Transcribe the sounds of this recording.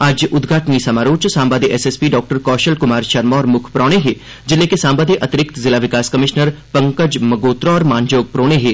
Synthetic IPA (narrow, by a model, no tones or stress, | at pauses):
aːd͡ʒʔʊd̪ɡʱaːʈnisɐmaːɾoːt͡ʃsãːmbaːd̪eʔɛseːspiɖɔːk̚ʈəɾkɔːʃəlkʊmaːɾʃɐɾmɔːɾmʊkʰpɾɔːɽ̃eɦeː | d͡ʒɪlːekesãːmbaːd̪eʔɐt̪ɪɾɪk̚t̪zɪlaʋɪkaːskɐmɪʃnəɾpɐ̃ŋkəd͡ʒmɐɡoːt̪ɾoɔːɾmaːnd͡ʒoːɡ̚pɾoːɽ̃eɦeː